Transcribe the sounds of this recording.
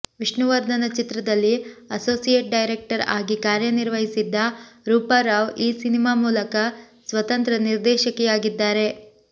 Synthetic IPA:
ʋiʂɳuʋɐɾd̪ʱɐnɐt͡ʃit̪ɾɐd̪ɐlːiɐso̞ːsijeʈ̚ɖɐjɾek̚ʈɐɾaːɡikaːɾjɐniɾʋɐɦisid̪ːɐɾuːpaːɾaːʋiːsinimaːmuːlɐkɐ | sʋɐt̪ɐnt̪ɾɐniɾd̪ɛːʃɐkɛjaːɡid̪ːaːɾe̞

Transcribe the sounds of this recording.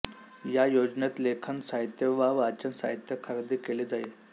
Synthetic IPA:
jajod͡znet̪lekʰənsaɦit̪jəʋaʋat͡ɕənsa̰ɦit̪jəkʰəɾd̪iːkeleːd͡zae

